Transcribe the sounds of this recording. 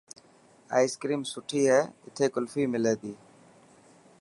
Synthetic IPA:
a̰ːɪskɾiːmsʊʈʰiːɦɛːɪt̪ʰeːkʊlfiːmɪleːd̪iː

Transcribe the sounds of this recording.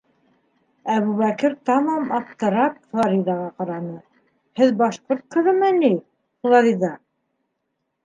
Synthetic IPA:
æβuβækɘɾt̪ɑmɑmɑp̚t̪ɤ̆ɾɑp̚flˠɑɾiðɑʁɑqɑɾɑnɤ | hɘðbɑʃqoɾt̪̚qʰɤ̆ɾɤ̆mæni | χlˠɑɾiðɑ

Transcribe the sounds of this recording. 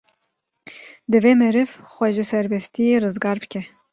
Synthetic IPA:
d̪ɨveːmɛɾɨvxʷɛʒisɛɾbɛst̪ijerɨzɡɑːɾbɨkʰɛ

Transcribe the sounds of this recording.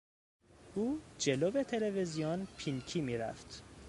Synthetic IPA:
ʔuːd͡ʒe̞loːbet̪ʰe̞levezijɔnpʰincʰiːmiːɾæ̰ft̪

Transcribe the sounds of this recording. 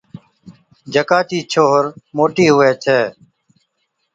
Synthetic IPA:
d͡ʒʱəkaːt͡ʃiːt͡ʃʰoːɦəɾmoːʈiːɦʊʋeːt͡ʃʰeː

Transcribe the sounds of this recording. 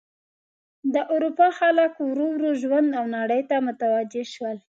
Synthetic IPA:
d̪əʔʊɾupɑxaləkwɾoɾoʒwand̪awnaɽəjt̪amʊt̪awad͡ʒɪʃwəl

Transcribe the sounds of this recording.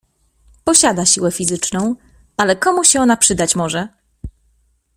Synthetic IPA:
pɔɕad̪aɕiwɛfʲizɘt͡ʂnɔ̃w̃ | alɛkɔmuɕɛɔnapʂɘd̪at͡ɕmɔʐɛ

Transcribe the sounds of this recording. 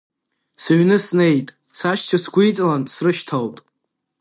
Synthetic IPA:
saɥnɨsnejtʼ | saʃt͡ʃʰasɡʷujt͡sʼɨlansrɨʃtʰaltʼ

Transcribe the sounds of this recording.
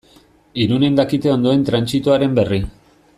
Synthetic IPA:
iɾune̞nd̪akit̪e̞o̞nd̪o̞e̞nt̪ɾansit̪uaɾe̞mbe̞ri

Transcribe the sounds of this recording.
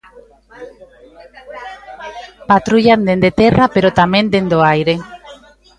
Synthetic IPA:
pat̪ɾuʎand̪end̪et̪erapeɾot̪amẽnd̪end̪oajɾe

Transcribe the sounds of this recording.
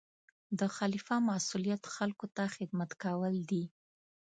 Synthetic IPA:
d̪əxalifamasulijat̪xalkot̪axɪd̪mat̪kawəld̪i

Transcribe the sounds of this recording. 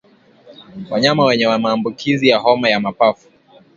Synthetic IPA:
waɲamawɛɲɛwamaːmbukʰizijahɔmajamapafu̥

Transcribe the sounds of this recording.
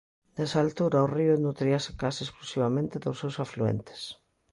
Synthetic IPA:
d̪esaːlt̪uɾaoriʊenut̪ɾiasekasesklusiβamẽnt̪ɪðosewsafluḛnt̪e̥s

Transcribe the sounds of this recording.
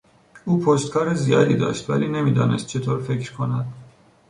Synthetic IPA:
uːpʰost̪̚kʰɒːɾezijɒːd̪iːd̪ɒ̰ːʃt̪væ̰liːne̞miːd̪ɒ̰ːne̞̰st̪̚t͡ʃʰe̞t̪ʰoːɾfecʰɾkʰonæd̪̥

